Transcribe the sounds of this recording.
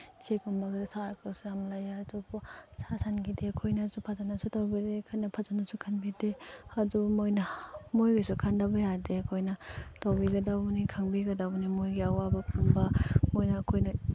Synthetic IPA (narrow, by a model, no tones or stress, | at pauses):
t͡ʃekumbaɡasaɾkʰɯsjamlajadubɔsasanɡideɐkʰojnazupʰazanasutawbidekʰajnɐpʰazanasukʰanbideadumojnɐmojɡisukʰandabɐjadeɐkʰojnɐtawbiɡɐdabunikʰaŋbiɡɐdabunimojɡiawabɐpʰumbamojnaːkʰojnɐ